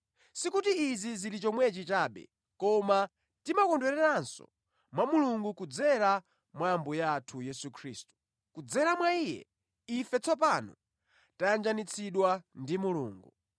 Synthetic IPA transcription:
sikutiiziziɾit͡ʃɔmwɛt͡ʃit͡ʃaːɓɛ̰ | kɔma | timakɔndwɛɾɛɾansɔ̰ | mwamuluŋɡukud͡zɛɾa | mwambɔjaːtʰujɛsukʰɾḭːstu̥ | kud͡zɛɾamwaijɛ̰ | ifɛt͡sʰɔp̬anɔ̰ | taand͡ʒanit͡sʰiɗwandimuluːŋɡu

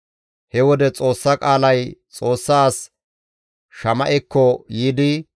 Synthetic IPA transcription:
hɛwɔd̪ɛt͡sʼo̞ːsːɐkʼaːlɐjt͡sʼoːsːaːs | ʃɐmɐʔɛkːɔjiːd̪ɪ

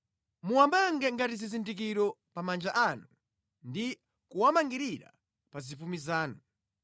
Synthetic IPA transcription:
muwambaŋɡɛŋɡatizizindikiɾɔpamand͡ʒaʔanu | ndi | kuwamaŋɡiɾiɾa̰ | pazipumizaːnu

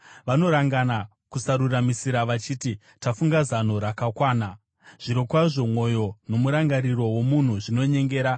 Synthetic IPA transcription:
ʋano̞ɾaŋɡana | kusaɾuramisiɾaʋat͡ʃiːti | tafuŋɡazan̤o̞ɾakakwaːna | ʐ̥iɾo̞kwaʐo̞mwo̞jo̞no̞muɾaŋɡaɾiro̞wo̞mun̤uʐino̞ɲe̞ŋɡe̞ːɾa

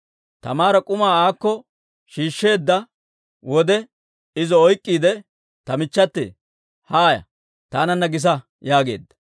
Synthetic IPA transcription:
t̪ɐ̰maːɾɐkʼʊmaːaːkːɔ | ʃiːʃːe̞ːd̪ːɐ | wɔd̪ɛ | ɪzɔɔjkʼːiːd̪ɛ | t̪ɐmɪt͡ʃːɐt̪ːɛ̰ | haːjɐ̰ | t̪aːnɐnːɐɡɪs̬ɐ | jaːɡe̞̰ːd̪ːɐ̥

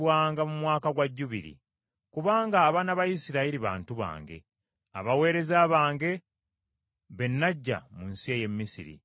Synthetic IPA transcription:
waːŋɡamumwaːkaɡwaɟːuβiɾḭ | kuβaːŋɡaːβanaβajisiɾaiɾiβa̰ːntuβa̰ːŋɡe̞̰ | aβawe̞ːɾe̞zaːβaːŋɡe̞ | βe̞nːaɟːa̰munsieje̞mːisiɾḭ

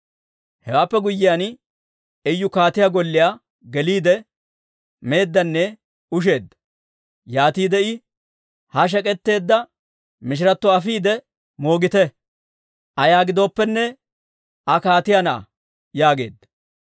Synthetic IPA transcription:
hɛwaːpːɛɡʊjːɪjan | ɛjːʊkaːt̪ɪjaɡɔlːɪjaː | ɡɛliːd̪ɛ | me̞ːd̪ːɐnːɛ | ʊʃ̬e̞ːd̪ːɐ̥ | jaːt̪iːd̪ɛɪ | hɐʃ̬ɛkʼɛt̪ːe̞ːd̪ːɐ | mɪʃ̬ɪɾɐt̪ːɔɐfiːd̪ɛ | mo̞ːɡɪt̪ɛ | ʔɐjaːɡɪd̪o̞ːpːɛnːɛ | ʔɐkaːt̪ɪjana̰ː | jaːɡe̞̰ːd̪ːɐ

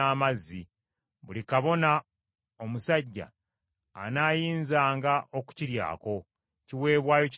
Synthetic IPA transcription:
aːmazːi | βulikaβo̞na | o̞musaɟːa̰ː | naːjiːnzaːŋɡaʔo̞ku̥ciɾja̰ːko̞ | ciwe̞ːβwaːjo̞ci

